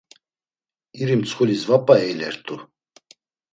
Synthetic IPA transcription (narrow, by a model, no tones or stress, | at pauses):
iɾimt͡sʰχulisvapʼaɛjlɛɾt̪ʼu